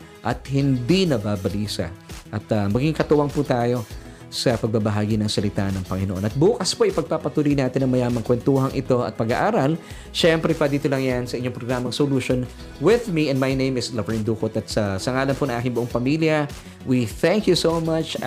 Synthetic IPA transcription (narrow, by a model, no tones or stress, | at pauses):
ʔɐt̪hɪnd̪inɐbabɐlisɐ̰ʔɐt̪ɐmɐɡiŋkɐt̪ʊwɐŋput̪aːjo̞ | sɐpɐɡ̚babɐɦaːɡinɐŋsɐlɪt̪aʔnɐŋpɐŋɪnoʔo̞nɐt̪̚buːkɐspoʔɪpɐɡ̚papɐt̪uːlijnaːt̪ɪnːɐŋmɐjaːmɐŋkwɛnt̪uːɦɐŋʔɪt̪o̞ɐ̰t̪̚pɐɡaʔaːɾal | ʃɛmpɾɛpɐd̪iːt̪olɐŋjansɐʔɪɲoŋpɾoɡɾaːmɐŋsoluʃon | wɪðmiʔɛ̃ndmajnẽjmɪslɐvɛɹind̪uːkot̪ɐt̪̚sɐsɐŋaːlɐnponɐŋʔaːkɪŋbʊʔoŋpɐmiljɐ | wiθɛ̃ŋkjusowmɐt͡ʃ